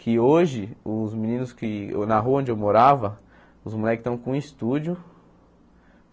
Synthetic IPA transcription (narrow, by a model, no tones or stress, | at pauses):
kɪoʒɪʊzmĩnĩnʊskɪnɐɦuɐõd͡ʒewmoɾavɐ | ʊzmulɛkɪst̪ɐ̃w̃kõist̪ud͡ʒʊ